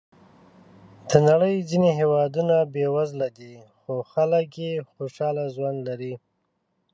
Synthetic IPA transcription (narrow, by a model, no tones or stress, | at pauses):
d̪̥ənaɽəjzineɦewɑd̪unabewazlad̪ixoxaləkjexoʃɑlazwanlaɾi